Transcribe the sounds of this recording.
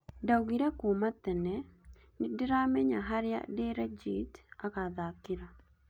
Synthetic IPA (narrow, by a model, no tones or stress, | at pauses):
dauɡiɾɛkumat̪ːɛnɛ | nidiɾamɛɲaɦaɾɪja̰deɾɛd͡ʒitakaðakiɾa